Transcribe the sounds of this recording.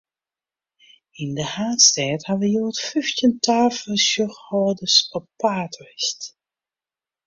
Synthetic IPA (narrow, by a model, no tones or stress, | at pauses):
indəhaːtstɛːthaʋəjoːtfyftjəntʰaːfəsjɔxhɔːdəsɔpːaːtrɪst